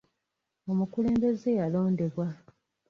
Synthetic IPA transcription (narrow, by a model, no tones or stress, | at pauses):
o̞mukule̞ːmbe̞ze̞jalo̞ːnde̞βwa